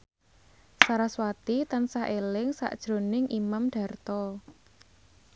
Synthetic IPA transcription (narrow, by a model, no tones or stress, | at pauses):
saɾaswat̪it̪ansaɦʔelɪŋsa̰ʔd̥ʒ̥ɾo̤nɪŋʔimamɖ̥ä̤rt̪ɔ